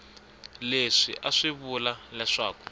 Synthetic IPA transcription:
leʂiʔaʂiβulalɛʂaːku̥

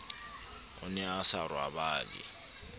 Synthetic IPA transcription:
ʊnɛasarwabaːlɪ̰

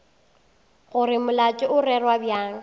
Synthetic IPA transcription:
ɣʊɾɪmʊlat͡ʃʼɪʊrɛrwabjaːŋ̩

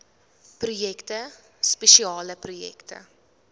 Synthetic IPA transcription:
prujɛktə | spɛʃiɑːləprujɛ̰ktə̰

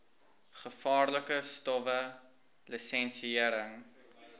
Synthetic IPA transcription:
χəfɑːrləkəstɔvə | lisɛnsiiəɾəŋ

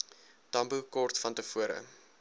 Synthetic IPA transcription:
tɐmbukɔrtfɐntəfuəɾə̰

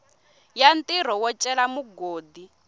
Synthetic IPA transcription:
jantʼiɾ̤ɔwɔt͡ʃʼɛlamuɡoːdi

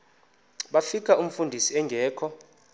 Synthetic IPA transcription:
ɓafikʰaʔum̩fundʱisiɛŋɡʱɛːkʰɔ

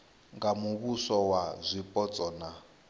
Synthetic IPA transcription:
ŋɡamuβusɔwazʷipʼɔt͡sʼɔːna

